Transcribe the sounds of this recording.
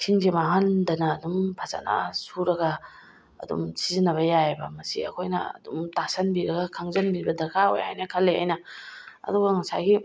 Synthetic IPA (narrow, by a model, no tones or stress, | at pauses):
kʰiŋzimaɦandɐnɐːdumpʰaza̰na̰suɾɐɡɐ | ɐ̰dṵmsizinːɐβɐjajbɐmɐsḭɐ̰kʰojnɐ̰ɐ̰dumtasɐnbiɾɐɡɐkʰaŋzɐnbibɐdɐkʰao̰ja̰jnɐkʰɐlːea̰jnɐɐ̰duɡɐŋɐsajɡi